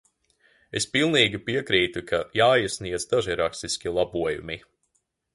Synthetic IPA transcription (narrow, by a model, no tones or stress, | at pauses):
espilˠniːɡʲipiɛkɾiːt̪ukʰajaːisniɛd̪zd̪aʒiɾakst̪isʲkʲilˠabuɔjṵmi